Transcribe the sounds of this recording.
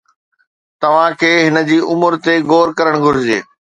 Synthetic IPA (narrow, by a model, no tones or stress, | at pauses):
t̪ɐʋ̤ãkʰeːɦɪnə̆d͡ʑiːʔʊmʊɾt̪eɡoːɾkɐɾəɽ̃ɡʱʊɾɪd͡ʑḛː